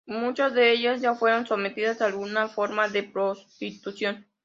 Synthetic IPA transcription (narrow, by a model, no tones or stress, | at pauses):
mut͡ʃazðe̞eʝazʝafwe̞ɾo̞nso̞me̞t̪iðasaːlɣunafo̞ɾmaðe̞pɾo̞st̪it̪usjo̞n